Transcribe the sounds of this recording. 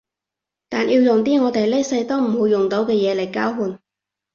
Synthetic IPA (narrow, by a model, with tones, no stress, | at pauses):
t̪aː˨˩njiː˧wjʊ˨ŋt̪̬iː˥ŋɔː˨˧t̪e˨jle˥sɐ˧jt̪o˥wm̩˨˩ho˨˧wjʊ˨˩ŋt̪o˨˥wkɛː˧jɛː˨˧le˨˩jkaː˥wɦuː˨˧n